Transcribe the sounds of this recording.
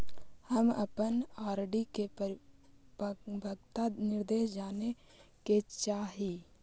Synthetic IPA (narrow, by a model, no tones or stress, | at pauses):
həmɐpənaːɾɖike | bʱəɡt̪anɪɾd̪eːʃd͡ʒaːne | ket͡ʃaːɦi